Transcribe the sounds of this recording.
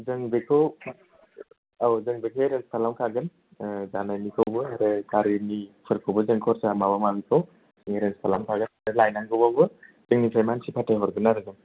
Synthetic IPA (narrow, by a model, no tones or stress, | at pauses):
zɯŋbekʰɯw | awzɯŋbekʰeɾenspʰalamkʰaɡɯn | zanajnikʰowbɯaɾɯkaɾinipʰɯɾkʰowbɯzɯŋkʰɔɾsamaβamabikʰɯw | sɯŋɾenspʰalamkʰaɡɯnaɾɯlajnaŋɡɯwbabɯzɯŋnipʰɾajmansipʰatʰajɦɔɾɡɯnaɾɯɡɯŋ